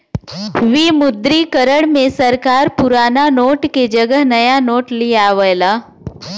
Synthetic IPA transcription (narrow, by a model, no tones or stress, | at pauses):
ʋimʊd̪ɾikəɾəɽmẽsɐɾkaːɾpʊɾaːnanoːʈked͡ʒəɡəɦnɐjanoːʈlijaːʋəjlaː